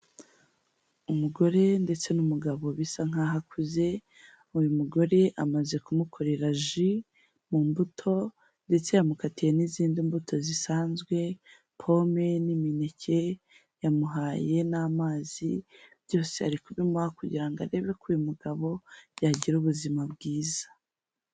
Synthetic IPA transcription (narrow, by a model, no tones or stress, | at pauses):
umuɡo̞ɾe̞nde̞t͡se̞numuɡaβo̞βisaŋ̥aɦakʰuze̞ | ujumuɡo̞ɾe̞ʔamaze̞kumukʰoɾeɾaʒi | muːmbutʰo̞ | nde̞t͡se̞jamukatije̞niziːndimbutʰo̞zisaːnzɡwe̞ | pʰo̞me̞nimine̞cʰe̞ | jamuɦaːje̞naːmaːzibɟo̞ːsea̰ɾikuβimuhakuɟiɾaŋɡaɾe̞βekujumuɡaβo̞jaɟiɾuβuzimab̚ɡiːzḁ